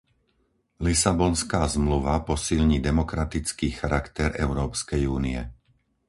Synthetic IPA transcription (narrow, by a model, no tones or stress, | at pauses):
lisabɔnskaːzmluʋapɔsilɲiːd̪ɛmɔkɾat̪it͡skiːxaɾakt̪ɛɾɛʊɾɔːpskɛjuːniɛ